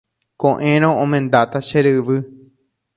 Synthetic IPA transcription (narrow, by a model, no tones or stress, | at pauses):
kõʔẽɾ̃õʔõmẽnd̪at̪aʃeɾɨʋɨ